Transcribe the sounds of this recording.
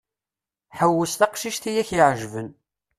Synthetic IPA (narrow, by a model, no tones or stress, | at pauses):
ħəwːəst̪æqʃiʃt̪ijæçjʕʒvən